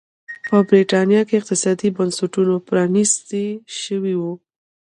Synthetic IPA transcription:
pəbɾiʈɑnjɑkeɪq̚t̪ɪsɑd̪ibansʊʈunopɾɑnist̪eʃəwiwu

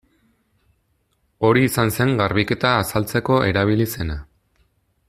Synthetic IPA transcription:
o̞ɾiːsanse̞ŋɡaɾβike̞t̪aːsalt͡se̞ko̞ʔe̞ɾaβ̞ilise̞na

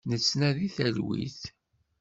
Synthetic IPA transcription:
nət͡sːnæðiθælwḭθ

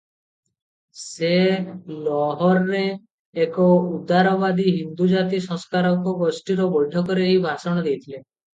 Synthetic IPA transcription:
selɔɦɔɾːeː | kɔud̪aɾɔbad̪iɦind̪ud͡ʒat̪isɔ̃ŋskaɾɔkɔɡɔsʈiɾɔbɔjʈʰɔkɔɾeɦibʱasɔɽ̃ɔd̪ejt̪ʰile

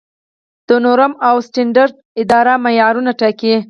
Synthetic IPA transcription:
d̪̥ənoɾəmawsʈɪɳɖaɾd̪̚ | ɪd̪ɑɾamajɑɾunaʈaki

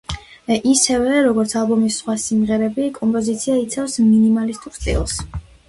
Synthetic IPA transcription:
ʔisɛvɛɾɔɡɔɾt̪sʰalˠbɔmisːχwasimʁɛɾɛbikʼɔmpʼɔzit̪sʰiait̪sʰafsminimalist̪ʼuɾst̪ʼḭlˠs

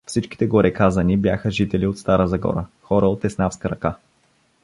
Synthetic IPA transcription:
fsit͡ʃki̥t̪ɛɡoɾɛkazɐnibjaxəʒit̪ɛliot̪st̪aɾəzɐɡɔ̰ɾəxɔɾəot̪ɛsnafskəɾɐka

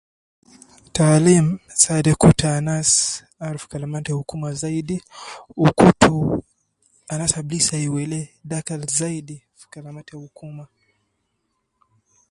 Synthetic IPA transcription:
talim̩sadɛkutʰaːnas | aɾfkalamatɛhukumazaiɗiukutu | anasablisaiwɛlɛɗakalzaiɗi | fkalamatɛhukuma

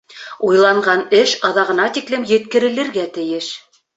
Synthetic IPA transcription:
ujlˠɑɴɢɑnɘʃɑðɑʁɤ̆nɑt̪iklɘmjɘ̆t̪kɘ̆ɾɘ̆lɘ̆ɾɡæt̪ɘ̆jɘʃ

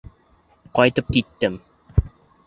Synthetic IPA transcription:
qɑjt̪ɤp̚kit̪ːɘm

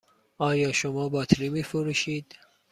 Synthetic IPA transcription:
ɒːjɒːʃomɒːbɒːt̪ʰɾiːmiːfoɾuʃiːd̪̥

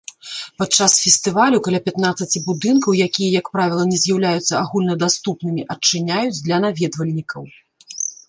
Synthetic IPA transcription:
pat͡ʂːasfʲɛsʲt̪ɨvalʲukalʲapʲat̪nat̪sɐt͡sʲibud̪ɨnkɐwjakʲijɐjɐkpɾavʲilˠɐnʲɛzʲjawlʲajut̪sːɐaɣulʲnɐd̪ast̪upnɨmʲiʔɐt͡ʂːɨnʲajud͡zʲd̪lʲɐnavʲɛd̪vɐlʲnʲikɐw

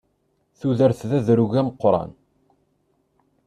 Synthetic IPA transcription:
θuðəɾθðæðɾuʝæməqːɾˤɑ̰n

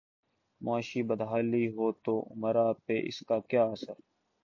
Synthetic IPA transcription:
mʊaːʃiːbəd̪ɦaːliːɦoːt̪oːʔʊ̰məɾaːpeːʔɪ̰skaːkjaːəsəɾ

